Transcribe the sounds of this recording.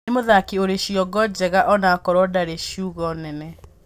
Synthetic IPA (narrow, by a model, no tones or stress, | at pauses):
emoðakioɾeɕiɔɡɔd͡ʑɛɣaʔɔnakɔɾwɔdaɾeɕjuɣɔnɛnɛ